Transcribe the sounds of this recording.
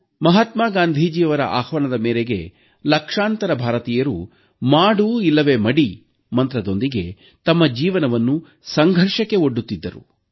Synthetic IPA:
mɐɦɐt̪maːɡaːnd̪ʱiːd͡ʒiɐʋɐɾɐ̰ʔaːxʋɐnɐd̪ɐmeːɾeɡḛ | lɐkʂaːnt̪ɐɾɐbʱaːɾɐt̪iːjɐɾṵ | maːɽuilːɐʋeːmɐɽi | mɐnt̪ɾɐd̪o̞nd̪iɡe̞ | t̪ɐmːɐd͡ʒiːʋɐnɐʋɐnːu | sɐŋɡʱɐɾʂɐkːe̞oɖːut̪ːid̪ːɐɾṵ

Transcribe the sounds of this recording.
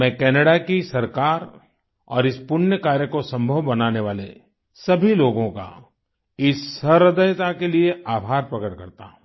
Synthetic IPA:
mɛ̃ːkɛːnəɽakisɐɾkaːɾ | ɔ̰ːɾɪspʊnjəkaːɾjəkosɐ̃mbʱəwbɐnaːneʋaːlḛ | sɐbʱiloːɡõka̰ | ɪsːɐɾɐd̪əjt̪akelieaːbʱaːɾpɾɐkəʈ̚kɐɾt̪ã̰

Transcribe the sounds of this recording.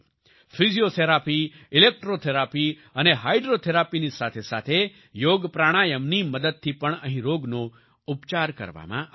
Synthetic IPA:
fʰiziot̪ʰeɾapi | ɪlek̚ʈɾot̪ʰeɾapi | əneɦaiɖɾot̪ʰeɾapinisat̪ʰesa̰t̪ʰe | joɡpɾaɽ̃ajəmniməd̪əd̪̚t̪ʰipəɳəɦĩɾoɡno | upt͡ʃaɾkə̰ɾʋa̰mã̰

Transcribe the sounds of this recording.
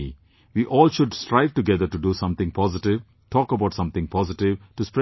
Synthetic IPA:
ʋiːʔɔːlʃʊɖsʈɾaɪʋʈuɡɛd̪əɾʈuɖusʌ̃mt̪ɪ̃ŋpɔːzɪʈɪʋ | ʈʰɔːkəbaʊʈsʌ̃mt̪ɪ̃ŋpʰɔzɪʈɪʋʈuspɾɛ

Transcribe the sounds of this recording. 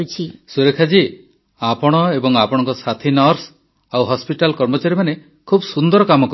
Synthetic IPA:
t͡ʃʰisuɾekʰad͡ʒi | apɔɽ̃ɔebɔŋapɔɽ̃ɔŋkɔsat̪ʰinɔɾs | awɦɔspiʈalkɔɾmɔt͡ʃaɾimane | kʰubɔsund̪ɔɾɔkamɔkɔ

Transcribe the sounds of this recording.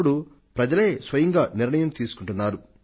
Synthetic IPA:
ɽu | pɾɐd͡ʒɐle̞ːsʋɐjɐŋɡaːnɪɾɳɐjɐmt̪iːsu̥kuɳʈunːaːɾu

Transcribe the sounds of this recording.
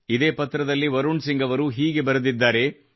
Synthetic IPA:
id̪e̞ːpɐt̪ɾɐd̪ɐlːiʋɐɾuɳɖsiŋɡɐʋɐɾuɦiːɡe̞bɐɾud̪id̪ːaːɾe̞

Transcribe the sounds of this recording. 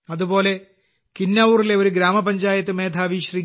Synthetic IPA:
ɐðubo̞ːle̞ | kinːɐʋurile̞o̞ɾuɡɾaːmɐpɐɲd͡ʑaːjɐt̪̬ːɨme̞ːd̪ʰʱaːʋiːɕrikʲː

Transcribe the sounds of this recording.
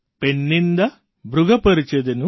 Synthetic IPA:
penːind̪ɐ | bɾuɡɐpɐɾit͡ʃed̪enu

